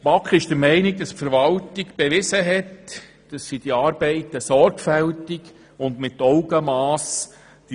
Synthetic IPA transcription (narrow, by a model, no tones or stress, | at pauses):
b̥ɑkχɪʃd̥əɾmɛɪnɪɡ̚d̥ɑspfəɾʋɑltɪkb̥eʋɪsəɦɛt | d̥ɑsːid̥iɑːɾbɛɪtəsɔɾɡfɛltɪk | ʊndmɪtɔʊɡəmɑːs | d̥